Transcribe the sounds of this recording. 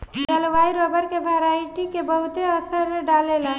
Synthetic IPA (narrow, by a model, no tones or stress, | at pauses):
d͡ʒəluʋaiɾobəɾkebʱəɾajʈikebəɦut̪eəsəɾɖalelə